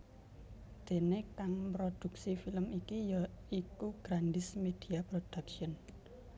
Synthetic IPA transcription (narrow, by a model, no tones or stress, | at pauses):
d̪̥e̤nekaŋpɾod̪̥ṳk̚sifiləmikijikuɡ̥ɾand̪ɪsmed̪̥i̤apɾod̪̥akʃiən